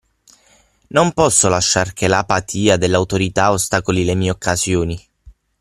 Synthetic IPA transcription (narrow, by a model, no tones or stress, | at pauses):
nompɔsːolaʃːarkʰelapat̪ʰiːad̪elːawt̪oɾit̪aost̪aːkolilemiːeokʰːazjoːni